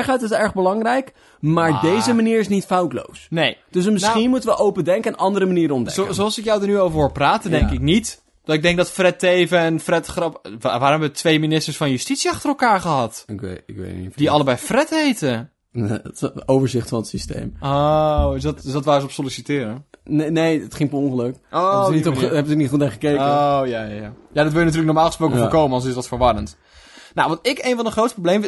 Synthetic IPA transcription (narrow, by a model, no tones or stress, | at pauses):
ɛχatɪsɛɹɣbəlɑŋrɛjk | maːɹdejzəmaniːɹɪsnitfawtlo̰wsnejd̥øsməsnxinmutənʋəʔowpədɛŋkənʔɑndəɾəmaniːɾənɔmdɛsoksolˠsɪkjɔwdənyoːwvəɹɦoːɹpraːtədɛŋkɪk̚nit | d̥ɔtɪk̚dɛŋk̚dɔtfrɛteːvəɛnfrɛtχrɔpʋaːɾmɦɛbətʰʋeːminɪstərsfɔnjystitsjiɑxtərəlˠkaːɹχəɦɑtɪkɪkʋḛid̥iɑlˠəbɛjfrɛtheːtə | oːvəɹzɪxtfɔnətsistḛːmosdɔtsdɔtʋaːəsopsolisitɪːɾəneneːətχɪ̃ŋpəonχəløkoniɛbəknitxutaːχəkeːəojajajajadɔtʋɪlˠjənat̬yːlk̚nɔɹmaːlˠχəsproːkəfokoːmənɔlˠsɪsdɔtfəɹʋɔɾənt | nawʋɑ̃ntɪkeːnfɔndəχroːtstəprobleːm